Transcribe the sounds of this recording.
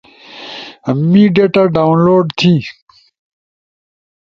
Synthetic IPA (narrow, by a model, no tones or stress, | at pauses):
miɖeʈaɖawnloːɖt̪ʰi